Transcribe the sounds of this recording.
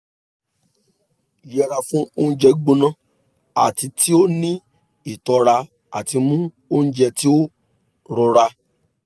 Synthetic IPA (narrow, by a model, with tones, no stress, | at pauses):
i˨jɛ˦˧˨ɾa˧fũ˦o˦n̩˦d͡ʒɛ˧˦ɡ͡bo˧nã˦ | a̰˨ti˧tʰi˦o˦nĩ˦ | i˨tɔ˧ɾa˧ | a̰˨ti˧mũ˦ | o˦n̩˦d͡ʒɛ˧ti˦o˦ | ɾɔ˧ɾa˧